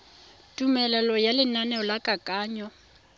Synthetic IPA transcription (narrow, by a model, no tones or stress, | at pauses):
tʼumɛlɛlɔjalɪnanɛɔlakʼakʼaːɲɔ